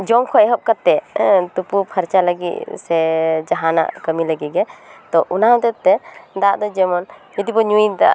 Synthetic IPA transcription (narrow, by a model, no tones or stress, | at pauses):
d͡ʒɔmkʰɔɛɦɔp̚kat̪ːɛt̪upupʰaɾt͡ʃaləɡḭt̪̚sɛd͡ʒaɦana̰ʔkəmiləɡiɡɛt̪ɔʔunãt̪ɛt̪ːɛd̪aʔd̪ɔd͡ʒɛmɔn | id̪ibɔɲuid̪a̰ʔ